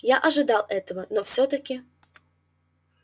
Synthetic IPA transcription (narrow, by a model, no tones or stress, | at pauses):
jaʔɐʐɨd̪ɑlˠɛt̪əvənɔfsʲɔt̪əkʲɪ